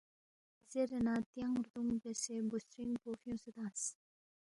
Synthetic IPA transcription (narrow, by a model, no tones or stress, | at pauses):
z̥eɾenaːt̪jãŋɾd̪uŋbesebusɾiŋpoːfijõsed̪ãːs